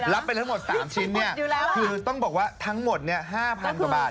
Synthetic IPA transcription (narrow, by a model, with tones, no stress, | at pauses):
la˦˥p̪ːt̪ʰa˦˥mo˨˩t̪̚sa̰ː˩˦mt͡ɕʰi˦˥nːi˥˩ɐ˧kʰɯː˧t̪ɔ˥˩ŋbɔː˨˩k̚waː˥˩t̪ʰa˦˥ŋmo˨˩t̪̚ni˥˩ɐɦaː˥˩pʰa˧nka˨˩baː˨˩t̚